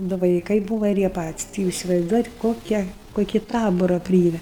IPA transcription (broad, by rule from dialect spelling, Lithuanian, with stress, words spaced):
dʊ ʋɐɪˈkɐɪ ˈbuːʋɐ ɪr ˈjiɛ ˈpɑːtʲɪsʲ tʲɪ ˈjuːs ɪsʲɪʋɐɪzˈduɔjɛt ˈkoːkʲɛ ˈkoːkʲɪ ˈtɑːboːrɐ ˈpʲrʲiːɛmʲɛ